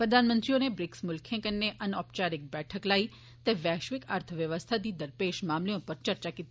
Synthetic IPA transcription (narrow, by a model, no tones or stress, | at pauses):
pɾəd̪ʱanmənt̪ɾionebɾɪksmʊlkʰẽkənːeʔənɔːpt͡ʃaɾɪk̚bɛʈʰəklai | t̪eʋjɛʃʋɪkaɾt̪ʰəʋjəʋəst̪ʰad̪id̪əɾpeʃmamliõpəɾt͡ʃəɾt͡ʃakit̪